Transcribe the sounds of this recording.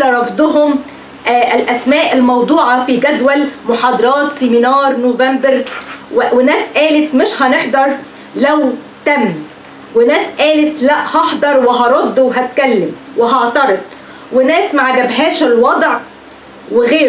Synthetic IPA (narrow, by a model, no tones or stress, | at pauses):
ɾˤɑfd̪ˤʊɦʊm | ʔɪlʔæsmæːʔɪlmɑwd̪ˤuːʕɑfiɡæd̪wælmʊħɑːd̪ˤɑɾˤɑːt̪sɪminɑːɾˤnoːvæmbɪɾwwɪnæːsʔæːlɪt̪mɪʃhɑnɪħd̪ɑɾˤ | læw | t̪æmː | wɪnæːsʔæːlɪt̪læʔhɑħd̪ˤɑɾˤwɪɦɑɾˤod̪ːwɦæt̪kælːɪm | wɪɦɑʕt̪ɑɾˤɑd̪ˤ | wɪnæːsmaʕɡæbɦæːʃɪlwɑd̪ˤʕ | wɪɣeːɾ